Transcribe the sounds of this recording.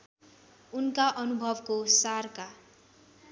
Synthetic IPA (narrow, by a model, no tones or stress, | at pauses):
unkaʔʌnubʱʌbkosarka